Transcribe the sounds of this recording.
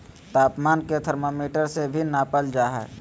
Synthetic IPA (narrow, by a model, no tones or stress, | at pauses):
t̪aːpmaːnket̪ʰəɾmoːmiːʈəɾsebʱinaːpəld͡ʒaːɦɛ̰ː